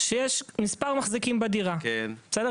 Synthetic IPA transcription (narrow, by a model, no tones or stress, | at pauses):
ʃejeʃmispaʁmaχzikimbed̪iʁakene̥t͡sed̪e